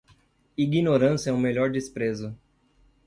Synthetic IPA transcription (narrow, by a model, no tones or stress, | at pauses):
iɡinoɾɐ̃sɛũmeʎɔɾd͡ʒispɾezʊ